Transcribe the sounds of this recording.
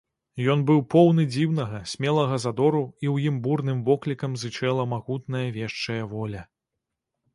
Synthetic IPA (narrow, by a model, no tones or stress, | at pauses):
jɔnbɨwpɔwnɨd͡zʲiwnɐɣɐsʲmʲɛlˠɐɣɐzad̪ɔɾuiwjimburnɨmvɔklʲikɐmzɨt͡ʂɛlˠɐmaɣut̪n̪ɐjɐvʲɛʂt͡ʂɐjɐvɔlʲɐ